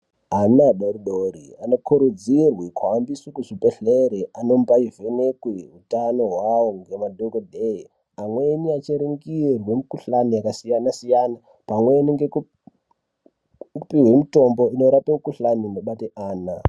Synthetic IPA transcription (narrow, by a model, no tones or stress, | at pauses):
ɦanaɗoɾuɗoɾiano̞kʰuɾud͡zirwikʰwaːmbiswukuʐipe̞ɬeɾeʔano̞mpaive̞nekwiɦutano̞ɦwawoŋɡe̞madʱokodʱei | amweniat͡ʃeɾuŋɡirwe̞mukuɬanijakasijanasijana | pamwe̞niŋɡeku | kupiɦwe̞mito̞mbo̞ino̞ɾapemukuɬaninoɓateʔaːna